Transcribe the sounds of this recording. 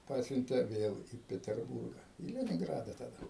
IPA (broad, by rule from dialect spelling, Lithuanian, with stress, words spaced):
ˈpɑːsʲʊnʲtʲeː ˈʋʲeːlˠ iː pʲɛtʲɛrˈbuːrɡɐ iː lʲɛnʲɪŋˈɡrɑːdɐ tɐˈdɐ